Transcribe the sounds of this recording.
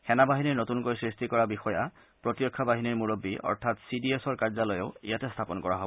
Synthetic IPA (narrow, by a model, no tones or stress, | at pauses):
xɛnabaɦiniɹnot̪unkojsɹist̪ikɔɹabixɔja | pɹot̪jɔkʰːabaɦiniɹmuɹobːiɔ̰ɹt̪ʰat̪sidiesɔɹkaɹzalɔjeʊḭjatest̪ʰapɔnkɔɹa̰ɦɔbɔ